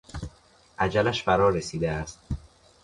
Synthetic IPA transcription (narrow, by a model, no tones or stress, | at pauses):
ʔæd͡ʒælæʃfæɾɒːɾesiːd̪eæst̪̚